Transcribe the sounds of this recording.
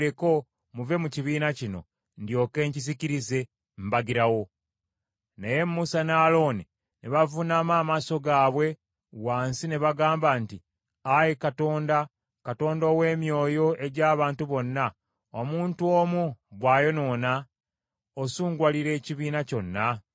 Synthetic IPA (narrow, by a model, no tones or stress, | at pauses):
ɾeko̞ | muve̞muciβiːnacino̞̰ | ndjo̞ːke̞ːɲciziciɾize̞ | m̩baɡiɾawo̞ | neje̞mmusanaːlo̞ːni | neβavunaːmaːmaːso̞ɡaːβwe̞ | waːnsine̞βaɡaːmbanti | ajikato̞ːnda | kato̞ːndo̞we̞ːmjo̞ːjo̞ʔe̞ɟaːβaːntuβo̞nːa | omuːntuomuβwaːjo̞no̞na | osuːŋɡwaliɾe̞ːciβiːnaco̞nːa